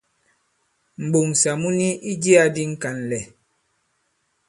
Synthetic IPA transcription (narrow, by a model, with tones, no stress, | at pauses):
m̩˨ɓo˨ŋ˨sa˨mu˦ni˦ʔi˦d͡ʒi˦a˦di˦ŋ̩˦ka˨nlɛ˨